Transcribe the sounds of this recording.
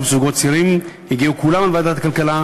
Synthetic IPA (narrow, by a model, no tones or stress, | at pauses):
besuɡott͡siɾimjiɡiukulamalvaːd̪at̪akalkala